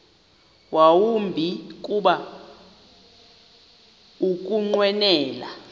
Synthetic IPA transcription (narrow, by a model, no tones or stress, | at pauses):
wʔawumbʱik̬ʼuɓa | uk̬ʼuŋ͡ǃwɛnɛːla̰